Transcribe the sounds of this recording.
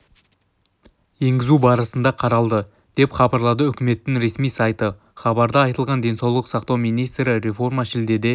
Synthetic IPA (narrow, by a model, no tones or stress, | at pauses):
je̞ŋɡʲɪzubɑɾəsənd̪ɑqʰɑɾɑlˠd̪ə | d̪̥e̞pχɑbɑɾlˠɑd̪əʏkʲɪme̞t̪ːɪŋɾe̞smijsɑjt̪ə | χɑbɑɾd̪əɑjt̪əlˠʁɑnd̪e̞nsɑwlˠəqsɑqt̪ɑwmijnijst̪ɾɪɾe̞fo̞rmɑʃɪld̪e̞d̪e̞